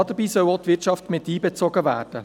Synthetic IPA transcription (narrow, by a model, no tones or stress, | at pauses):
ɑd̪əbiːsœwoːt̪vʋɪɾt͡ʃɑftmɪtiːbɛt͡sɔɡəvæːɾd̥ə